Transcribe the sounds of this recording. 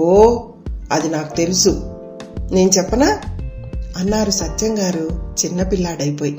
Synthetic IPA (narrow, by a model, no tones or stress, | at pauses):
oː | ɐd̪inaːku̥t̪e̞lusu | ne̞ːnut͡ʃɛpːɐnaː | ɐnːaːɾusɐt̪ːjɐŋɡaːɾut͡ʃinːɐpilːaːɽɐjpo̞ːji